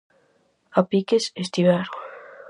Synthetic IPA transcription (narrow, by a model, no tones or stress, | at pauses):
apikesest̪iβaɾ